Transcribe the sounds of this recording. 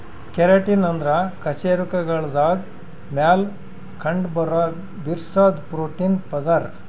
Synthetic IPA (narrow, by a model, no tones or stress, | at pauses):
keɾɐʈinɐnd̪ɾɐkɐt͡ʃeːɾukɐɡɐɭd̪aːɡ | maːl | kʰɐɳɖbɐɾɐ | biɾsaːd̪pɾoːʈinpɐd̪ɐɾ